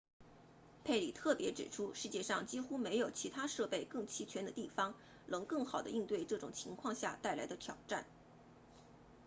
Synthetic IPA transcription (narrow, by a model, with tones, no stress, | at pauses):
pʰe˥˩ɪli˨˩t̪ʰɤ˥˩pjɛ˧˥ʈ͡ʂɻ̩˨˩ʈ͡ʂʰu˥ʂɻ̩˥˧t͡ɕjɛ˥˧ʂɑ˥˩ŋt͡ɕi˥xu˥me˧˥ɪjo˨˩ʊt͡ɕʰi˧˥t̪ʰa˥ʂɤ˥˧pe˥˧ɪkɤ˥˩ŋt͡ɕʰi˧˥t͡ɕʰɥɛ˧˥nd̪ə˧t̪i˥˩fɑ˥ŋ | nɤ˧˥ŋkɤ˥˩ŋxɑ˨˩ʊd̪ə̰˦i˥˧ŋt̪we˥˧ɪʈ͡ʂɤ˥˩ʈ͡ʂʊ̰˨˩ŋt͡ɕʰi˧˥ŋkʰwɑ˥˧ŋɕja̰˥˧t̪a˥˩ɪla˧˥d̪ə˧t̪ʰjɑ˨˩ʊʈ͡ʂa̰˥˩n